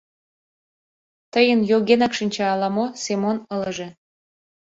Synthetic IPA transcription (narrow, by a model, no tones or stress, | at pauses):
t̪əjənjoɣenɑkʃinʲt͡ɕɑːlɑmosemonələʒĕ